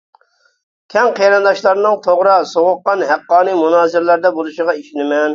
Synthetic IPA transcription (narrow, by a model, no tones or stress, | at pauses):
kʲʰɛŋqʰeɾɨnd̪ɑʃlˠɑɾnɨŋt̪ʰoʁɾɑsoʁʊqːɑnɦæqːɑːnɨmunɑːzɪɾlæɾd̪ɛbolˠuʃəʁɑiʃinɪmɛn